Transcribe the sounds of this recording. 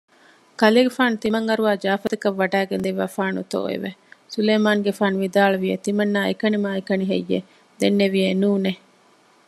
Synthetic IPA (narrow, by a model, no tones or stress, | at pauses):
kɐleːɡefaːnut̪imɐŋɐɾuʋaːd͡ʒaːfɐt̪ɐkɐʋːɐɖæːɡend̪iʋa̰ːfaːnut̪o̰ːḛʋesuleːmaːŋɡefaːnuʋid̪aːɭɐʋijet̪imɐnːaːekɐnimaːekɐniɦḛjːḛ | d̪enːeʋijenuːne